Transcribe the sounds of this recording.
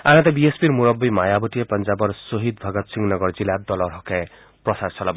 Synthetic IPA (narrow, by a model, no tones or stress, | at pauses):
anat̪abiespiɾmuɾʌbːijmajabutijepʌnd͡ʒabʌɾsoɦid̪̚bʱʌɡʌt̪siŋnʌɡʌɾd͡zilad̪ɔlɔɾɦɔka | prɔsaɾsʰɔlab